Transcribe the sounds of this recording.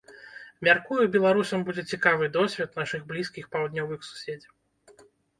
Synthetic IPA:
mʲarkujubʲɛlˠaɾusɐmbud͡zʲɛt͡sʲikavɨd̪ɔsʲvʲɛt̪naʂɨɣblʲiskʲixpawd̪nʲɔvɨxsu̥sʲed͡zʲɐw

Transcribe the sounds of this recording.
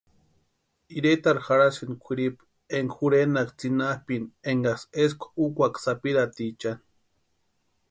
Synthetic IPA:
iɾet̪aɾxaɾasinkʷʰiɾip | eŋxuɾenakt͡sinahpineŋɡaseskʷukʷaksapiɾat̪it͡ʃan

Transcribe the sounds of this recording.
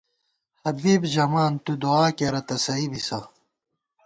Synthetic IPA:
hɐbiːbʑɐmaːnt̪ud̪uaːkeɾɐt̪ɐsɐibisɐ

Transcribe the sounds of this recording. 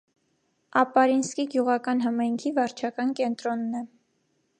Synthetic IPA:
ɑpɑɾinskiɡjuʁɑkɑnɦɑmɑjŋkʰivɑɾt͡ʃʰɑkɑnkɛnt̪ɾɔnːɛ

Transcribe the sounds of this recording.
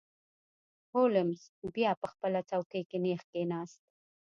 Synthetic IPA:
holɪmsbjɑpəxpəlat͡sawkejkenexkenɑːst̪̚

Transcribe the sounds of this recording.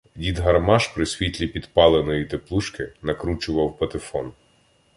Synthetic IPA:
dʲid̪ɦɐrmɑʃpɾɪsʲʋʲit̪ʲlʲipʲid̪pɑlˠenɔjit̪eplˠuʃkɪnɐkɾut͡ʃʊʋɐwpɐt̪ɪfɔn

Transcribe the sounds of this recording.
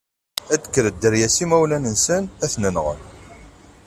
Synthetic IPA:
æd̪ə̥kːəɾəd̪ːəɾjæsimæwlænənsənæθnənʁə̰n

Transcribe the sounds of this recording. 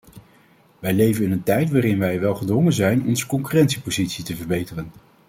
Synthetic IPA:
ʋɛjlejvənɪnəntɛjtʋaːrɪnʋɛjʋɛlˠχədʋɔŋənzɛjnɔnzə̥kɔŋkyrɛntsipowzitsitəvəɹbejtərən

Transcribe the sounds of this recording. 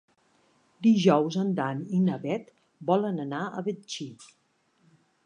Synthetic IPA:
d̪iʒɔwzənd̪aninəβɛt̪ | bɔlənənaə̰βet͡ʃi

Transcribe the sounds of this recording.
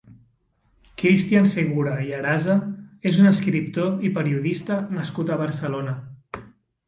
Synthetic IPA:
kɾist̪ianseɣuɾaiaɾazəezunəskɾip̚t̪oipəɾiuðist̪ənəskut̪əβəɾsəlonə

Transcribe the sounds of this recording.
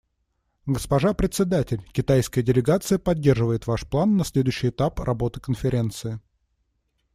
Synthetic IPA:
ɡəspɐʐapɾʲɪt̪ʲsʲɪd̪atʲɪlʲkʲɪt̪ajskəjədʲɪlʲɪɡat̪sɨjəpɐdʲːe̞rʐɨvəjɪt̪vaʂplˠanːɐsʲlʲed̪ʊjɕːɪjɪt̪aprʔɐbo̞t̪ɨ̥kənfʲɪɾʲe̞nt̪sɨɪ

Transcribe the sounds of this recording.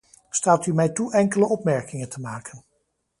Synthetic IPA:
staːtymɛjtuʔɛŋkələɔpmɛɹkɪŋəntʰəmaːkən

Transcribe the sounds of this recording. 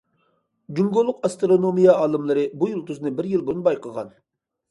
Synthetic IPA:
d͡ʒuŋɡolˠːʊqɑst̪ɾonomijɑɑːlˠɨmlˠɨɾɨbujulˠt̪ʰyznɪbɪɾjilˠboɾʊnbɑjqʰəʁɑn

